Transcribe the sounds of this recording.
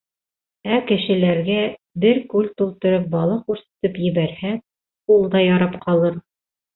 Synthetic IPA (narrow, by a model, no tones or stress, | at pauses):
ækɘ̆ʃɘ̆læɾɡæ | bɘɾkʉlt̪ulˠt̪ɤ̆ɾɤp̚bɑlˠɑkʉɾsɘ̥̆t̪ɤpjɘ̆βæɾhæ | ulˠd̪ɑjɑɾɑpqʰɑlˠɤɾ